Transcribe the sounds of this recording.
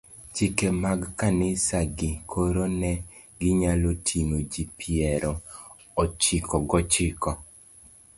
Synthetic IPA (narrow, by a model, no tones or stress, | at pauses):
t͡ʃɪkemaɡkanɪsaɡɪkʰoɾonɛ | ɡɪɲalotʰinod͡ʒipʰiɛɾɔ | ɔt͡ʃɪkʰɔɡɔt͡ʃɪkɔ